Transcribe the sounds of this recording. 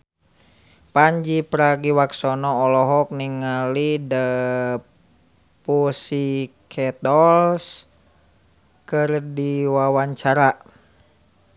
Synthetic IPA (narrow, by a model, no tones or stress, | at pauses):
paɲd͡ʒipɾaɡiwaksɔnɔːlɔɦɔk̚niŋalidə | pusikʰɛt̪ɔls | kərdiwawaɲt͡ʃaɾa